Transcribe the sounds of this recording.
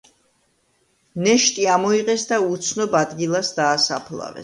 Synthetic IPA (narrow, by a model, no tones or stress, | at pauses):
nɛʃt̪ʼiamɔiqʼɛsd̪aut̪sʰnɔbad̪ɡilˠasd̪aːsapʰlˠa̰vɛ̰